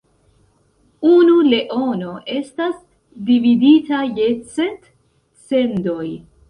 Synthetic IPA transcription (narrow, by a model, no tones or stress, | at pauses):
unule̞ʔo̞no̞ʔe̞stas | dividitaje̞t͡se̞t | t͡se̞ndo̞j